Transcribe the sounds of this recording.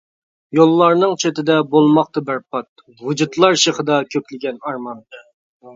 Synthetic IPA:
jolˠːɑɾnɨŋt͡ʃʰet̪ʰɪd̪ɛbolˠmɑq̚t̪ɑbæɾpʰɑt̪̚ | wud͡ʒut̪lˠɑɾʃeχəd̪ɑkʲʰøkʲlɪɡʲɛnɑɾmɑn

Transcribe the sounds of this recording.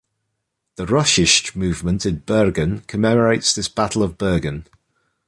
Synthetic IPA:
ðəɹʌʃɪʃtmʉːvmə̃ntʰɪ̃nb̥ɜːɡə̃nkʰəmɛməɹeɪtsðɪsb̥atˡəl̩ˠəvbɜːɡə̃n

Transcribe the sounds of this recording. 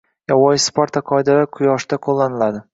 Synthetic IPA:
jɒwɒjɪspoɾt̪ʰaqʰɒjd̪aɾaqʰʊjɒʃd̪aqʰolˠːanɪlad̪ɪ

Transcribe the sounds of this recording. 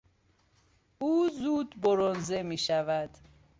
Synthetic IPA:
uːzuːd̪boɾonzemiːʃævæd̪̥

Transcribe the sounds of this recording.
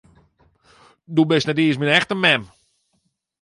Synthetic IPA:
dubɪsnɛtiəsminɛxtəmɛm

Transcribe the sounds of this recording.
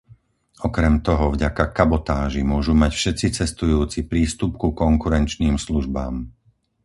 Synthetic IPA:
ʔɔkɾɛmt̪ɔɦɔvɟakakabɔt̪aːʒimʊɔʒumacfʃɛt̪t͡sit͡sɛst̪ujuːt͡sipɾiːst̪up̚kukɔŋkuɾɛnt͡ʃniːmsluʒba̰ːm

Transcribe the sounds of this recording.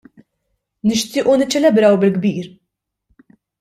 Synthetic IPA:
nɪʃt̪ɪːʔunɪt͡ʃːɛlɛbɾɐwbɪlɡbiːɾ

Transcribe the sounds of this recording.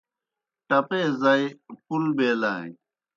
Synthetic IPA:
ʈɐpezajpulbeːlã̰ː

